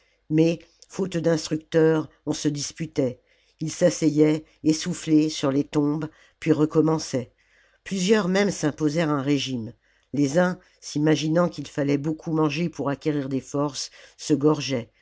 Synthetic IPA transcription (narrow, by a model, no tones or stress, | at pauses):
mɛ | fot̪d̪ɛ̃st̪χyk̚t̪œʁ | ɔ̃səd̪ispyt̪ɛ | ilsasɛjɛ | esuflesyʁlet̪ɔ̃b | pɥiʁəkɔmɑ̃sɛ | plyzjœʁmɛmsɛ̃pozɛʁɛ̃ʁeʒim | lezɛ̃ | simaʒinɑ̃kilfalɛbokʰumɑ̃ʒepuʁakʲeʁiʁd̪efɔʁsːəɡɔʁʒɛ